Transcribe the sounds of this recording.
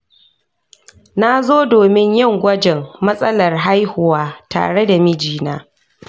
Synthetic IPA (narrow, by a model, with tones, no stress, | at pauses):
na˦zoː˦doː˨mɪ˦ɲjɪ˦˨ŋɡʷɐ˦d͡ʒɛ˨ŋmɐ˦sʼɐ˦lɐ˨rɦa˦jhʊ˨waː˦ta̰ː˨ɽe˦da˨mɪ˦d͡ʒiː˨na̰ː˦